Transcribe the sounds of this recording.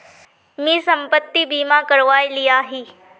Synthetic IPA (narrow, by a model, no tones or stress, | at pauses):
mĩːsɐ̃mpət̪ːibiːmãkɐɾʋaːiliaːɦiː